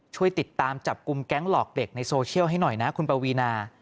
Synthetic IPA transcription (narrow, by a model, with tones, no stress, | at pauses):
t͡ɕʰu˥˩əjt̪i˨˩t̪ːaː˧mt͡ɕa˨˩p̚ku˧mkɛ˦˥ŋlɔː˨˩k̚de˨˩k̚na˧jsoː˧t͡ɕʰi˥˩əwɦa˥˩jnɔ˨˩jna˦˥kʰu˧npa˧wiː˧naː˧